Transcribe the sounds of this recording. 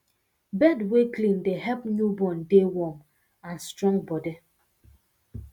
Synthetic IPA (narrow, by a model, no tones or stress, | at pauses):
bɛdweklĩndeɦɛpnubɔndewɔm | ãnstɾɔ̃ŋbɔde